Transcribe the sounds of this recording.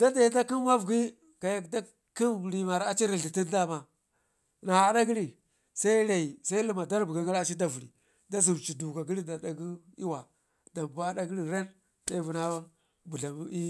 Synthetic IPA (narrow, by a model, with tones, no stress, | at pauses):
d̥a˦da˨ji˦da˦ki˦m˦ma˦vɡi˦ | ka˨ja˦kda˦ | ki˦n˨ɾi˨ma˨ɾa˨t͡ʃi˦ɾi˨ɬi˨ti˦nda˦˨ma˨ | na˨a˨da˦ɡi˦li˨ | sa˦i˦ɾa˨i˨sa˦i˦li˦ma˨da˦ɾbu˨ɡa˨˦ɡa˦la˦t͡ʃi˦da˦vu˨ɾḭ˨ | da˦zu˨m˨t͡ʃi˨du˨ka˨ɡi˦li˦da˨da˨ɡu˦ | i˦wa˨ | da˨mba˦da˦ɡi˦li˨ɾe˦n | sa˦i˦vu˨na˦ | bu˨ɬa˨mi˦